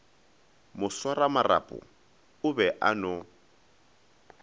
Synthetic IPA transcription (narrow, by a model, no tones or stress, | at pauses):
mʊswaramara̰pʼʊ̰ | ʊbɛʔanɔ